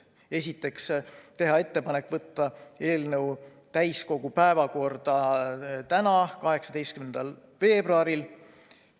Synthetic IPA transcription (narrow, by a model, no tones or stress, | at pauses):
e̞sʲit̪ːˑe̞kst̪e̞ɦɑe̞t̪ːe̞pɑne̞kːˑvɤt̪ˑːɑe̞ːlnɤw | t̪æjsko̞ɡ̥upæe̞vɑko̞rd̪̥ɑt̪ænɑkɑɦe̞ksɑd̪̥e̞jst̪kymend̪̥ɑl | ve̞ːbɾuɑɾil